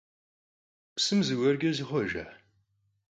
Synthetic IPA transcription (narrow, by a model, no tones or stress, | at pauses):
psɨmzɨwɐrɡʲɐziχʷɔʒa̰ħ